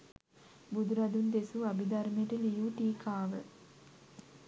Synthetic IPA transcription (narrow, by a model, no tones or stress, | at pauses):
bud̪uɾɐd̪und̪esuabid̪aɾmejəʈəlijuʈiːkʰaːʋə